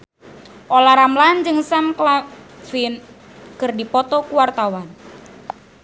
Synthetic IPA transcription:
ʔolaɾamland͡ʒɨŋsamklafin | kɨrdipɔt̪ɔkuwart̪awan

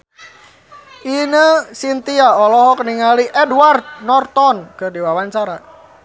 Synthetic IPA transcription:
ʔinəsint̪iaɔlɔɦɔkəniŋaliʔɛdward̪̚nɔrt̪ɔnkɨrdiwawaɲt͡ʃaɾa

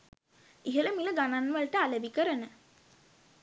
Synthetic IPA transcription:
iɦələmiləɡananʋələʈəalebikəɾənə

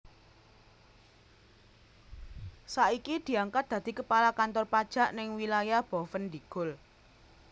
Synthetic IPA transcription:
saʔikid̪̥i̤aŋkat̪̚d̪̥ä̤d̪̥i̤kəpalakant̪ɔrpad̥ʒ̥a̤ʔnɪŋwilajahb̥ɔ̤fənd̪iɡ̥ʊl

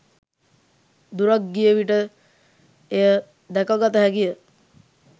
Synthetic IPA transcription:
d̪uɾak̚ɡijəʋiʈə | ejə | d̪ɛkaɡat̪əɦæɡijə

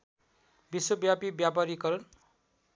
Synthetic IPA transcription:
biswʌbjapibjapaɾikʌɾʌn

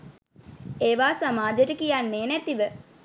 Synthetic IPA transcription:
eːʋaːsamaːd͡ʒəʈəkijanːeːnæt̪iʋə

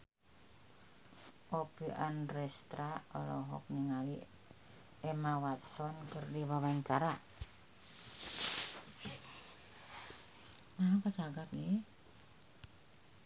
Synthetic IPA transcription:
ʔopiʔanrɛst̪ɾaɔlɔɦɔ̰k̚niŋali | ɛmawat̪sɔnkərdiβawaɲt͡ʃaɾa | nakat͡ʃaɡap̚ni

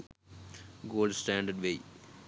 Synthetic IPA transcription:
ɡoːlɖsʈæ̃ːɳɖəɖʋeː

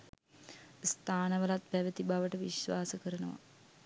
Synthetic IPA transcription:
st̪ʰaːnəʋəlat̪̚pæʋət̪ibaʋəʈəʋiʃʋaːsəkəɾənəʋa̰

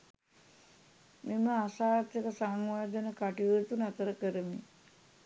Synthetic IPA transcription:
meməasaːt̪jəkəsaŋʋaːd̪ənəkaʈiʋət̪unat̪əɾəkəɾəmi

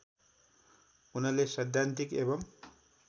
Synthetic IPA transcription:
unʌlesʌd̪ʱjant̪ikebʌm

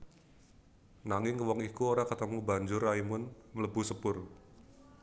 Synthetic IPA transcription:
naŋɪŋkəwɔŋikuoɾakət̪əmubaɲd͡ʒʊraimʊnmələbṳsəpʊr

